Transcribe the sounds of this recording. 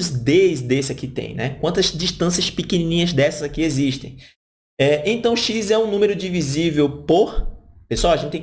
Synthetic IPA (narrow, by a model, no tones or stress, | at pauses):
ʊzd̪ezd̪esɪakit̪ḛ̃j̃nɛkwɐ̃nt̪ɐzd͡ʒiʃt̪ɐ̃sijɐspikenĩnĩɲɐzd̪ɛsɐzakieziʃt̪ḛ̃j̃ | ɛẽnt̪ɐ̃w̃ʃizɛũnũmeɾʊd͡ʒivizivewpoɾpeswawaɐʒẽnt͡ʃt̪ẽ